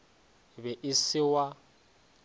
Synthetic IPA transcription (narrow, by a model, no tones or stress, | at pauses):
bɛʔɪsɪwa